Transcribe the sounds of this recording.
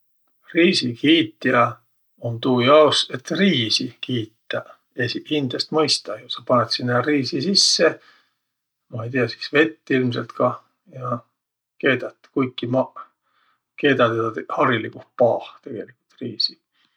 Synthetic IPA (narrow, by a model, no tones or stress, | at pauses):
riːsikʰiːt̪ːiɑ | ont̪uːjɑose̞t̪riːsikiːt̪ːˑɑ | esiind̪̥est̪mɤjst̪ɑjusɑpɑnet̪sinːɑriːsisisːe | mɑejt̪iɑsi̥sve̞t̪ːilms̬e̞lt̪kɑ | jɑ | ke̞ːd̪ɑt̪ːkujkːˑimɑ | ke̞ːd̪ɑt̪ed̪ɑt̪hɑɾilikuh̪̚pɑːht̪e̞ɡ̥e̞likːˑult̪riːsi̥